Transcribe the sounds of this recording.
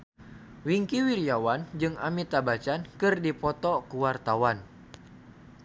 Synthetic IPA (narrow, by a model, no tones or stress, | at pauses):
wiŋkiwiɾiawand͡ʒɨŋamit̪abat͡ʃankɨrdipɔt̪ɔkuwart̪awan